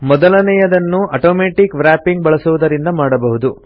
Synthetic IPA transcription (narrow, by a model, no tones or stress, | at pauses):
mɔd̪ɐlɐnɛjɐd̪ɐnːuʔɐʈoːmeːʈikʋɾaːpiŋɡ̚bɐɭɐsuʋud̪ɐɾind̪ɐmaːɽɐbɐɦud̪u